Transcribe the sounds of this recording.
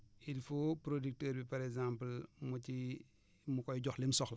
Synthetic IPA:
ʔilfupɾodik̚təːɾbipaɾɛkzãmpəlmuci | mukɔjɟɔxlimsɔxl

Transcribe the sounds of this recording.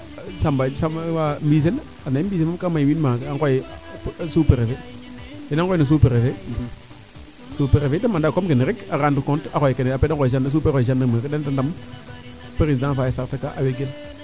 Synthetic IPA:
sambasaambis̬el | anambiseamkamajwinmaaŋkɔjɪ | supɛɾefedɛnaŋkɔjnos̬upeɾefe | supeɾefedamandakɔmkɪnɪɾɪkakandʊkɔntakɔjɪkɛnɛapɛdakɔɪʃ̬andas̬upɛkɔjɪʃandamekdɛntandam | peɾisdãnfajsaɾtakaʔaweɡel

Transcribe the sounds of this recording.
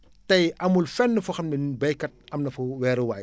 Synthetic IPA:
tɐjɐmulfɛnːəfuxɐtminbɐjkːɐt̚ɐmnɐfuwɛːɾəwaːj

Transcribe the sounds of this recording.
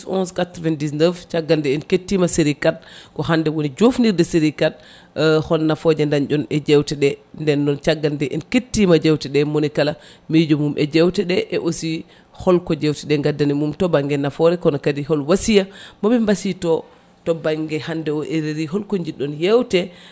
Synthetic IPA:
sɔ̰nskatɾɔvɛndisnəft͡ʃaɡːandɛɛnketːimaseɾikat̚kɔhandɛwonid͡ʒofniɾdɛseɾikat̚ | hɔlnafɔd͡ʒɛndand͡ʒɔnɛd͡ʒɛwtɛɗɛndɛnːɔnt͡ʃaɡːandɛʔɛnketːimad͡ʒɛwtɛɗɛmonikala | mid͡ʒɔmumʔɛd͡ʒɛwtɛɗɛʔɛʔosi | hɔlkɔd͡ʒɛwtɛɗɛŋɡadːanimumtɔbaŋɡɛnafɔɾɛkɔnakadiɦɔlwasijamɔbɛmbasitɔ | tɔbaŋɡɛhandɛɔʔeɾeɾiɦɔlkoɲd͡ʒiɗːɔnjɛwtɛ

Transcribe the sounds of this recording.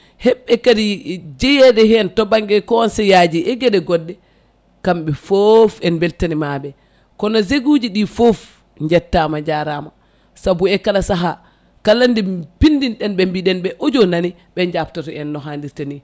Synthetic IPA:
hɛɓːɛkadid͡ʒɛjɛdɛɦɛntɔbaŋɡɛkɔɔnsɛjad͡ʒiʔɛɡɛɗɛɡɔdːɛ | kamɓɛfofɛnbɛltanimabɛ | kɔnɔzeɡud͡ʒiɗifof | ɲd͡ʒɛtːamaɲd͡ʒaɾama | sabuɛkalasaɦa | kalːandipindinɗɛnɓɛmbiɗɛnɓɛʔod͡ʒonani | ɓɛɲd͡ʒaptɔtɔɛnːɔɦandiɾtani

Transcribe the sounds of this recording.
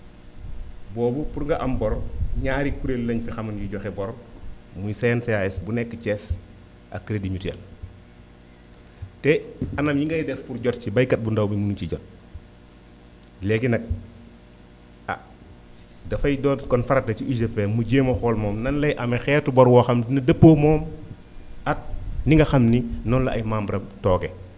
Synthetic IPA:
bɔːbupuɾŋɡɐʔambɔɾɲaɾikuɾellɐɲfixɐmɐnjuɟɔxɛbɔɾmujsenseaɛsbunɛkːət͡ʃɛs | ʔa̰kːiɾedimitɛ̰l | tɛanamjiŋɡɐjidɛfpuɾɟɔtt͡ʃibɐjkɐt̚bundawmimunut͡ʃiɟɔt̚ | lɛɡinɐk̚ | a̰ | dɐfɐjdɔːnkɔnfɐɾɐtɐt͡ʃiʔid͡ʒefɛmuɟeːmɐxɔːlmɔːmnɐnlɐjʔɐmɛxɛːrtubɐɾwɔxɐmdinɐdɐpːomɔːm | ɐk̚niŋɡɐxɐmninɔnlɐʔɐ̰jmaːmbɾɐmtɔːɡɛ

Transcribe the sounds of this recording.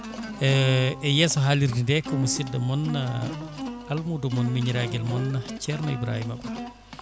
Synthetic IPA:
ɛɛjɛsuɦaliɾdindɛkːɔmusidːɐmɔnːa | almudumɔnmiɲɾaɡɛlmɔnːat͡ʃɛɾnɔḭbɾa̰ːhimaba

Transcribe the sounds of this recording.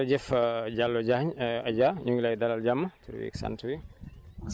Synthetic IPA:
d͡ʒɛfd͡ʒalːɔd͡ʒaɲɐd͡ʒaɲuŋɡlajd̪alald͡ʒamːɐt̪ʰuɾ̰wḭksa̰ntʰuwi

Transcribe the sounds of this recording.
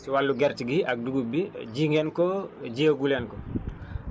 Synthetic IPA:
siwalːuɡɛɾtiɡiʔak̚duɡubiɟiŋɡɛnkɔɟeːɡulɛnkɔ

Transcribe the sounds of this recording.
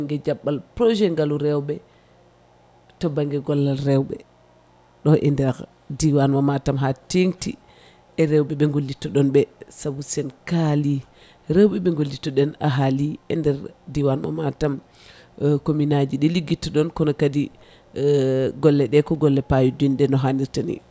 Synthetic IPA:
ŋɡɛd͡ʒaɓːalpɾɔʒɛŋɡaluɾɛwɓɛ | tɔbaŋɡɛɡɔlːalɾɛwɓɛ | ɗɔʔɛndɛɾ | diwanmamatamɦateŋti | ɛɾɛwɓɛɓɛŋɡolːitːɔɗɔnɓɛsabusɛnkali | ɾɛwɓɛɓɛŋɡolːitɔɗɛna̰ɦaliʔɛndɛɾdiwanma̰matam | kominad͡ʒiɗɛliɡːitːɔɗɔnkɔnɔkadi | ɡɔlːɛɗɛkɔɡɔlːɛpajuduinɗɛnɔɦaniɾtanḭ

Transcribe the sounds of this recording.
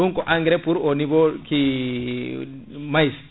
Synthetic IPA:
uŋkɔʔaŋɡɾepuɾonibɔki | majs

